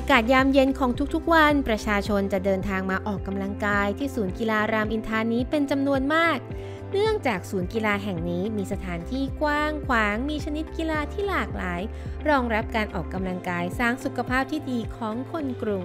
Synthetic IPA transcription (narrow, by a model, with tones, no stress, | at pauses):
ʔaː˧kaː˨˩t̪̚jaː˧mje˧nkʰɔː˩˦ŋt̪ʰu˥k̚t̪ʰu˦˥k̚wa˧npɾa˧t͡ɕʰaː˧t͡ɕʰo˧nt͡ɕa˨˩dɤː˧nt̪ʰaː˧ŋmaː˧ʔɔː˨˩kːa˧mla˧ŋkaː˧jt̪ʰiː˥˩suː˩˦nki˧laː˧ɾaː˧mʔi˧nt̪ʰaː˧˥niː˦˥pe˧nt͡ɕa˧mnu˧ənmaː˥˩k̚ | nɯ˥˩əŋt͡ɕaː˨˩k̚suː˩˦nki˧laː˧ɦɛ˨˩ŋniː˦˥miː˧sa˧t̪ʰaː˩˦nt̪ʰiː˥˩kwaː˥˩ŋkʰwaː˩˦ŋmiː˧t͡ɕʰa˧ni˦˥t̪̚ki˧laː˧t̪ʰiː˥˩laː˨˩k̚laː˩˦j | ɾɔː˧ŋɾa˦˥p̚kaː˧nʔɔː˨˩kːa˧mla˧ŋkaː˧jsaː˥˩ŋsu˨˩kʰa˧pʰaː˥˩p̚t̪ʰiː˥˩diː˧kʰɔː˩˦ŋkʰo˧nkɾu˨˩ŋ